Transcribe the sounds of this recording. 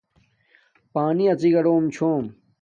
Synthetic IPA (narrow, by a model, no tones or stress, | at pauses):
paːniɐt͡siɡɐɽoːmt͡ɕʰoːm